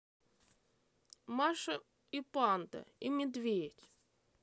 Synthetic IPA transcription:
maʂɐ | ipant̪ɐ̰imʲɪd̪vʲetʲ

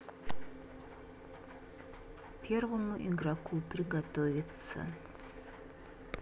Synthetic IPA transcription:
pʰervomuʔiɡrakʷʰupriɡatʰovʲit͡sʰa̰

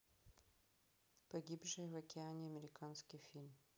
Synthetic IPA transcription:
pɔɡʲibʐɛvɛkʲɛaɲɛamɛɾɪkʰanskʲifʲilm

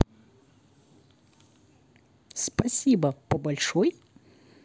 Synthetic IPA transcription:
spɐsʲibɐpɔbɐlʲʂɔj

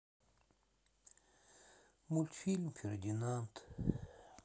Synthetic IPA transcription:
mult̪filmfeɾd̪inant̪

